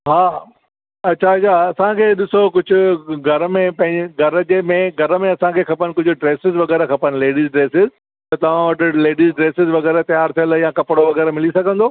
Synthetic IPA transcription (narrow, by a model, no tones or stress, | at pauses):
ɦaː | ɐtːʃʰaɐt͡ɕʰaɐsãkʰeːɗɪsokʊd͡ʑʱʊ̆ɡʱɐɾəmẽpɐ̃ɦɪ̃ɲd͡ʑɪɡʱɐɾəd͡ʑemẽɡʱɐɾəmẽɐsãkʰeːxʰɐpənɪ̆kʊd͡ʑʱʊ̆ɖɾeːsɪzʋɐɣɛːɾɛkʰɐpənɪ̆leːɖiːzɖɾeːsɪz | t̪ɐt̪ɐʋ̤ãʋɐʈɪ̆leːɖizɖɾeːsɪzʋɐɣɛːɾɛt̪ɐjaːɾt̪ʰijəljãkɐpɽoʋɐɣɛːɾɛmɪlisɐɡʱə̃nd̪oː